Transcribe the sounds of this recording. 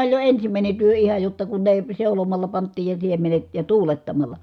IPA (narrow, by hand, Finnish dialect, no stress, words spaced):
olʲ jo ensimæˑine tyø ihɑ jotːɑ kun ne seulomɑlːɑ pɑntˑiːj jɑ siemenet jɑ tuːletːɑmɑlˑɑ